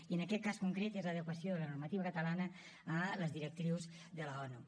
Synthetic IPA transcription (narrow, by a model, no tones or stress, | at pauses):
iənəkɛt̪̚kaskuŋkɾet̪ezləðəkwəsjoðələnurmət̪iβəkət̪əlanəː | ləzðiɾək̚t̪ɾiwz | ðələɔnu